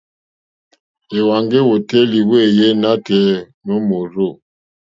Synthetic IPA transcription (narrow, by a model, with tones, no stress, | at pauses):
e˨wa˨ŋɡe˦wo˨tɛ˦li˨we˦˨je˦na˦tɛ˨˦ | no˦mo˨ɾo˦˨